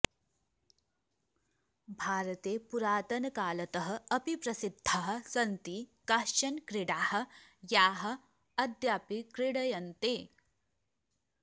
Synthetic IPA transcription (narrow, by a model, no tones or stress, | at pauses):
bʱaːɾɐt̪eːpuɾaːt̪ɐnɐkaːlɐt̪ɐɦɐ̆ɐpipɾɐsid̪ʱːaɦɐ̆sɐnt̪iːkaːʃt͡ʃɐnkɾiɽaːhɐ̆jaːɦɐ̆ | ɐd̪ʱjaːpikɾɪɽɐjɐnt̪eː